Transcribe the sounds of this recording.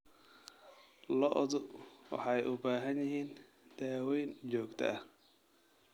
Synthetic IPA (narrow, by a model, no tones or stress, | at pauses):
lɔʔðʊwɑ̰ħɑjʔʊbaːɦɐnjɪɦiːn | d̪̥aːwɛjnt͡ʃɔːɡt̪ʰɐ̰ʔɐ